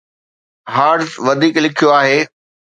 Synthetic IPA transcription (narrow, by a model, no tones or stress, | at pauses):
ɦaːɖzʋɐd̪ʱiːklɪkʰijoaːɦeː